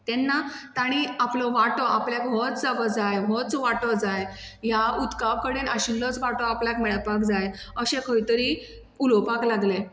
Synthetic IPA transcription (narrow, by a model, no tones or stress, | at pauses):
t̪ɛnːat̪aɽ̃iaplɔʋaʈɔʔapljakɦɔt͡sd͡zaʋəd͡zajɦɔt͡sʋaʈɔd͡zaj | jaud̪kaʋkəɽinaɕilːət͡sʋaʈɔapljakmɛɭpakd͡zaj | əɕẽkəit̪əɾi | ulɔpaklaɡle